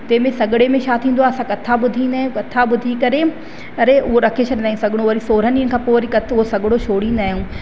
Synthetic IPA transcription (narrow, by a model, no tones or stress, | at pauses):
t̪ɐ̃ːmẽsɐɠɪɽemẽʃaːt̪ʰĩːnd̪oaːɐsãkɐt̪ʰabʊd̪ʱĩːnd̪aːɦijũkɐt̪ʰaɓʊd̪ʱikɐɾe | ɐɾeʔʊɦoɾɐkʰet͡ɕʰəɽnaːĩsɐɡʱɪɽ̃oʋɐɾisoːɾəniːənɪ̆kʰãːpoːɾikɐt̪ʰʊɦosɐɠɽoʃʰoːɽĩːnd̪aːɦijũː